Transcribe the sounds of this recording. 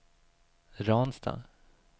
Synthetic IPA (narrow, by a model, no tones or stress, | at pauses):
ɾɑːnst̪ʰɑ̰ː